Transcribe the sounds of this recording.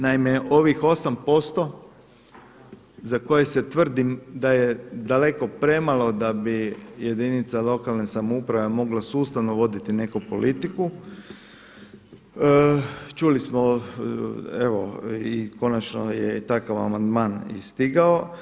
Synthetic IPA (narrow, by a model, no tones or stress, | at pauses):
naimeʔo̞ʋixo̞sampo̞st̪o̞ | zako̞jeset̪ʋr̩d̪imd̪ajed̪ale̞ko̞pɾe̞malo̞d̪abije̞d̪init̪salo̞kalˠnesamoupɾaʋe̞mo̞ɡlasuːst̪aʋnoʋo̞d̪it̪ine̞kupo̞lit̪iku | t͡ʃulismo | eʋo̰iko̞nat͡ʃno̰jḛt̪akaʋa̰mand̪maːnḭst̪iɡao̞